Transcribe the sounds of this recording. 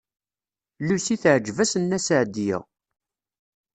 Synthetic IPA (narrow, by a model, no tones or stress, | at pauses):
lusiθəʕd͡ʒvæsənːæsəʕd̪jæ̰